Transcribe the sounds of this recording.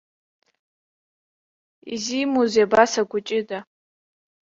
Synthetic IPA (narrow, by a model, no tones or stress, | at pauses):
ḭzimozabasaɡʷʊt͡ʃʼɪda